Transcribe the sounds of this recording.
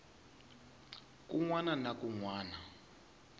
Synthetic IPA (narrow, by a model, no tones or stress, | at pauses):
kuŋwananakuŋwaːna